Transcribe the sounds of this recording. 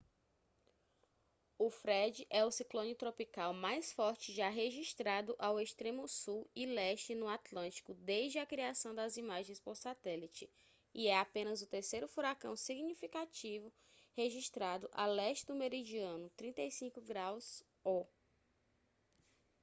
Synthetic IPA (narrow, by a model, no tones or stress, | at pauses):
ʊfɾɛd͡ʒɪʔɛʊsiklõnʊt̪ɾopikawmajsfɔɾt͡ʃɪʒaɦeʒiʃt̪ɾad̪ʊʔawest̪ɾẽmʊsuwilɛʃt͡ʃɪnʊat̪lɐ̃nt͡ʃi̥kʊd̪ezd͡ʒɪɐkɾiasɐ̃w̃d̪ɐzimaʒẽj̃spoɾsat̪ɛlit͡ʃɪ | iɛapẽnɐzʊt̪eɾsejɾʊfuɾakɐ̃w̃siɡnifikat͡ʃivʊ | heʒiʃt̪ɾad̪ʊʔa̰lɛʃt͡ʃɪd̪ʊmeɾid͡ʒiɐ̃nʊt̪ɾĩnt̪ejsĩŋkʊɡɾaws | ɔ